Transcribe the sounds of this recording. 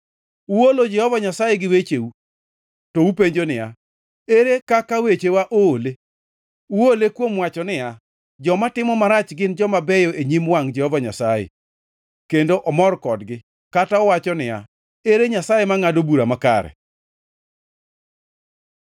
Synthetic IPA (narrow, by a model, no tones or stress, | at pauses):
uwolod͡ʒɛhɔvaɲasajeɡɪwet͡ʃeu | toupeɲd͡ʒonɪja | eɾekakawet͡ʃewaʔoːle | uolekwomwat͡ʃɔnɪja | d͡ʒɔmatɪmɔmaɾat͡ʃɡɪnd͡ʒɔmabɛjɔʔeɲimwaŋd͡ʒɛhɔvaɲa̰sajḛ | kendoʔɔmɔrkɔdɡɪ | kataɔwat͡ʃɔnɪja̰ | eɾeɲasajemaŋadobuɾamaka̰ɾɛ̰